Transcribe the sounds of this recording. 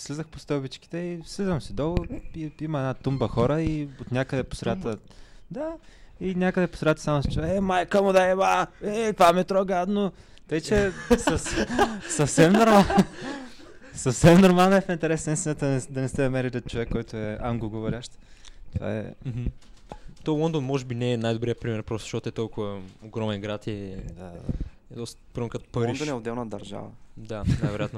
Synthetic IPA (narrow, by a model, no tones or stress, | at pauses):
slizəxpost̪ɔbit͡ʃki̥t̪ɛislizvɐmsid̪ɔlˠəiimɐɛnat̪umbəxɔɾəiot̪nʲakəd̪ɛpo̥sɾɛat̪ə | d̪ainʲakəd̪ɛpʊ̥sɾɛat̪əsamʊst͡ʃuaɛmajkəmod̪ɐɛmaɛt̪vamɛt̪ɾɔɡad̪no | t̪ɐit͡ʃɛsəssəfsɛmnoɾmalˠ | sɐfsɛmnoɾmalˠnəɛfint̪ɛɾɛsnəist̪inət̪əɛd̪ɐnɛst̪ɛnɐmɛɾɛt̪ɛt͡ʃovɛkːɔjt̪ʊɛamɡoɡovoɾʲaʃt̪t̪ova̰ɛ̰m̩ɦ̩ | t̪ɔlɔnd̪onmɔʒɛbinɛɛnajd̪ʊbɾijəpɾimɛɾpɾɔst̪ʃtot̪ɛt̪ɔlˠkʊvɐoɡɾɔmɛnɡɾat̪id̪aa̰ɛd̪ɔst̪əpɾɔmɛɾkət̪o̥pɐɾind̪onɛod̪ɛlˠnəd̪ɐɾʒa̰və̰d̪anaajvɛɾojat̪n